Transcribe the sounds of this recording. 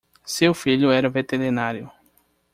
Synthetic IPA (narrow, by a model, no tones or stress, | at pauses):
sewfiʎʊɛɾɐvet̪eɾinaɾjʊ